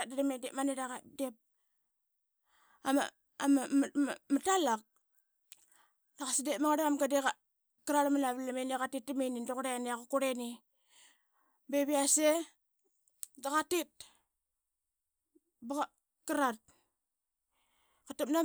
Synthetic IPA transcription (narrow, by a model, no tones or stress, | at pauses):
adaɾamedepmaniɾaɣadep̚ | ama̰ | amamatalak̚ | daɣasidepmaŋaɾeamɡadeka | kaɾaɾamanaβlamenikatit̚ːimenindoɣɾeaniakakuɾeni | beβiase | daɣatit̚ | baɣa | kaɾat̚ | katep̚na